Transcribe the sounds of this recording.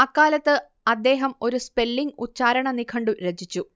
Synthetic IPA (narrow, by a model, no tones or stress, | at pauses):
ɐkːaːlɐt̪ːɨ | ɐd̪ːe̞ːɦɐmo̞ɾuspe̞lːiŋɡut͡ɕːaːɾɐɳɐnikʰɐɳɖuɾed͡ʑʱit͡ɕːu